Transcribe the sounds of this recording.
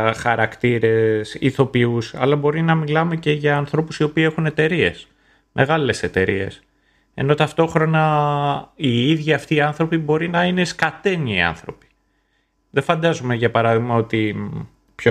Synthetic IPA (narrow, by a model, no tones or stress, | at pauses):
xɐɾɐkt̪iɾe̞sḭθo̞piusɐ̰lɐbo̞ɾinɐmilɐme̞ce̞ʝɐːnθɾo̞pusio̞piːe̞xune̞t̪e̞ɾie̞̰s | mʔe̞ɣɐle̞se̞t̪e̞ɾḭe̞̰s | e̞̰no̞t̪ɐft̪o̞xɾo̞nɐ | iiðʝiɐft̪iːɐnθɾo̞pibo̞ɾinɐine̞skɐt̪e̞nḭːɐ̰nθɾo̞pi̥ | ðefɐnd̪ɐzumeʝɐpɐɾɐðiɣmɐo̞t̪i | pço